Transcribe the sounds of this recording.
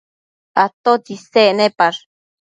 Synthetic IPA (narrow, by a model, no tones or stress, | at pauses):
at̪ot͡ʃiseʔnepaɾ